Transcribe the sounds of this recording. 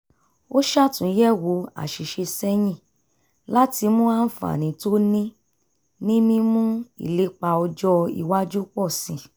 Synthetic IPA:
o˦ʃa˦˨tũ˨˦jɛ˦˨wo˧˦a̰˨ʃi˨ʃe˧sɛ˦j̃ĩ˦˨ | la˦ti˧mũ˦a˦fa̰˨nĩ˨˦to˦nĩ˦ | nĩ˦mĩ˧mũ˦ḭ˦˨le˦k͡pa˧ɔ˧d͡ʒɔ˧ḭ˨wa˦d͡ʒu˦k͡pɔ˦˨sĩ˨

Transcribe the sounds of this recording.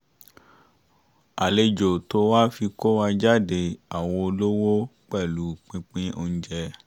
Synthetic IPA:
a˨le˧d͡ʒo˨to˧˦wa˦fi˧ko˦wa˧d͡ʒa˦de˧a˨w̃ɔ̃˧o˧lo˦wo˦k͡pɛ˦˨lu˨˦k͡pĩ˧k͡pĩ˦o˧n̩˦d͡ʒɛ˧

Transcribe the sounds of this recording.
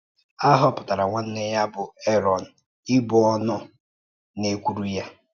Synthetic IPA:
a˦ɦʊ˦ɔ˦˨pʊ˨ta˨ɾa˨ŋʷa˦n̩˦ne˦ja˦bʊ˨e˦ɾɔ˨n̩˨ | ɪ˦bʊ˨ɔ˦nʊ˦ | ne˨kʷu˦ɾu˦ja˦

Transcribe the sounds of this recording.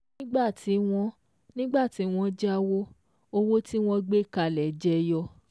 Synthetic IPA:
ĩ˦ɡ͡ba˦˨ti˨˦w̃ɔ̃˧ | nĩ˦ɡ͡ba˦˨ti˨˦w̃ɔ̃˧d͡ʒa˦wo˦ | o˧wo˦ti˦w̃ɔ̃˧ɡ͡be˦˨ka˧˨lɛ˨˦d͡ʒɛ˧jɔ˧

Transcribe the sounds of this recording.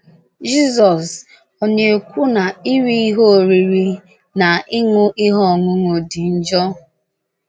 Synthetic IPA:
d͡ʒi˦zɔ˨s | ɔ˨ɲe˨kʷu˦na˨i˦ɾi˦i˦ɦo˦˨ɾi˨ɾi˨ | na˨ɪ˦ŋʊ˦ʔi˦ɦɔ˦˨ŋʊ˦ŋʷo˨dɪ˨n̩˦d͡ʒɔ˦

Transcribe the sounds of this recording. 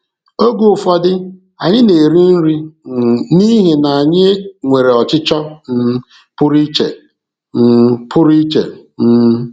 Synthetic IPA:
o˦ɡu˨ʊ˨fɔ˨dɪ˦ | a˨ɲɪ˦ne˨ɾi˦n̩˦ɾi˦˨ | ni˦ɦe˨na˨a˨ɲɪ˦ŋʷe˨ɾe˨ɔ˨t͡ʃɪ˦t͡ʃɔ˦n̩˦ | pʊ˦ɾi˦t͡ʃe˨ | n̩˦pʰʊ˦ɾi˦t͡ʃḛ˨n̩˦

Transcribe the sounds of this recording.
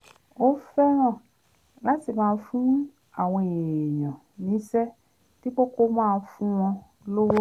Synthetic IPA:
o˦fɛ˦ɾ̃ã˦˨ | la˨˦ti˦˨mãː˨˧˦fũ˦ũ˦ | a˦˨w̃ɔ̃˧˨e˨jɔ̃˨ | nĩ˨˦sɛ˦ | ti˦k͡po˦ko˦mãː˦˧˦fũ˦w̃ɔ̃˧ | lo˦wo˦

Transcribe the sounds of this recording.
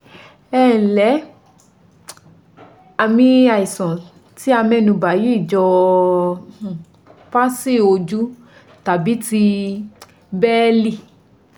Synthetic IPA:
ɛ˦˨lɛ˨˦ | a˨˧mĩ˧a˧i˨sɔ̃˨ | ti˦a˧mɛ̃˧˦nũ˧ba˨ji˨˦˨d͡ʒɔ˧˨ | fa˦si˦˨o˧d͡ʒu˦ | ta˨bi˨˦ti˧ | bɛː˦li˦˨

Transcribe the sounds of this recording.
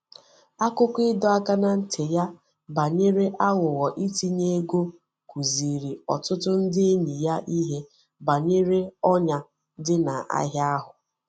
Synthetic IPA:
a˦kʊ˦kʷɪ˦dɔ˦a˦ka˦na˦n̩˦tʰɪ˨ja˦ | ba˨ɲe˦ɾe˦ʔa˦wʊ˨wɔ˨ʔi˦ti˦ɲe˦ɡo˦ | ku˨zi˨ɾi˨ɔ˨tʊ˦tʊ˦n̩˦dɪ˦e˦ɲi˨ja˦ʔi˦ɦe˦ | ba˨ɲe˦ɾe˦ɔ˦ɲa˨ | dɪ˦na˨ʔa̰˦ɦja˦ɦʊ˨

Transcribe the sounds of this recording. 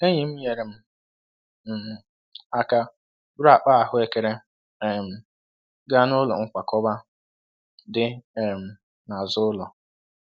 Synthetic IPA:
e˦ɲɪ˨m̩˦ɲe˨ɾe˨m̩˦˨ | a˨ka˨ | ba˨k͡pa˦a˨ɦʊ˦e˦ke˨ɾe˦ | ɛ˨m̩˨ | ɡa˦nʊ˦lɔ̰˨ŋ̩˦kʷa˨kɔ˦ba˦ | dɪ˦˨m̩˨ | na˨zʊ˦ʊ˦lɔ˨

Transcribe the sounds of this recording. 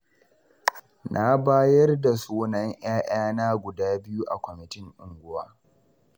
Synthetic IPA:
nʔa˦baː˦jɐ˦rda˨soː˦nɐ˦ɲj̰aː˦ʔj̰aː˦naː˦ɡʷʊ˨daː˦bɪ˦ju˦ʔa˨kʷɔ˨mɪ˨tɪ˦ŋʔʊ˨ŋɡʷʊ˦waː˦

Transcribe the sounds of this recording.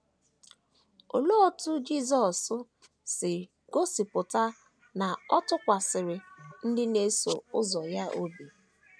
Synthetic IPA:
o˨lo˦˨tʊ˦d͡ʒi˦zɔ˨sʊ˦ | sɪ˨ | ɡo˦si˨pʊ˨ta˦ | na˨ɔ˦tʊ˦kʷa˨sɪ˨ɾɪ˨n̩˦dɪ˦ne˦so˨ʊ˦zɔ˨ja˦ʔo˦bi˨

